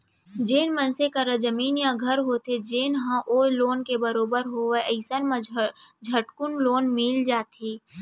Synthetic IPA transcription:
d͡ʒeːnmə̃nsekaɾəd͡ʒəmiːnjãɡʱɐɾɦot̪ed͡ʒeːnɦãʔoːloːnkebəɾoːbəɾɦoʋeəɪsənm̃d͡ʒʱəʈkʊnloːnmild͡ʒaːt̪eː

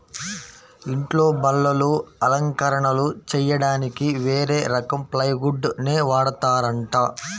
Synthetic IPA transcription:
iɳʈlo̞ːbɐlːɐluɐlɐŋkɐɾɐɳɐlut͡ʃɛjɐɽaːnikiʋeːɾe̞ːɾɐkɐmplɐjɡuɖneːʋaːɽɐt̪aːɾɐɳʈaː

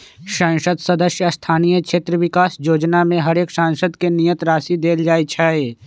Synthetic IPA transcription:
ʃãːnʃəd̪sɐd̪əʃjəst̪ʰaːnijət͡ʃʰeːt̪ɾəʋɪkaːsjoːd͡ʒnamẽɦɐɾeːkʃãːŋʃəd̪kenijət̪ɾaːsid̪eːld͡ʒaːit͡ʃʰaːeː

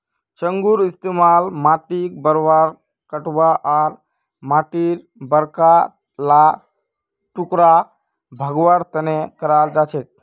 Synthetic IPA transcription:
t͡ʃəŋɡuɾist̪emalmaʈik̚bəɾʋaɾ | kəʈʋaʔaɾ | maʈiɾ | bəɾka | la | ʈukɾa | bʱəɡʋaɾt̪ənekəɾald͡ʒat͡ʃet̪̚

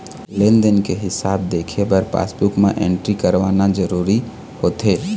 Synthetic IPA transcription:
lend̪ənkeɦɪsaːbd̪eːkʰebəɾpa̰ːsbukmḛ̃ʔḛ̃ɳʈɾikəɾʋaːnad͡ʒəɾuːɾi | hoːt̪ɦeː

